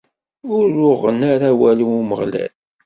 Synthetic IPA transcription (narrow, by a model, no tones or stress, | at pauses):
ʊɾʊʁənaɾæwælimuməʁlæ̰l